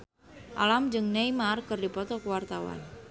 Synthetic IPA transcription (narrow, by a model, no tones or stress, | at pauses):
ʔa̰lamd͡ʒɨŋnejmarkərdipɔt̪ɔkəwart̪awa̰n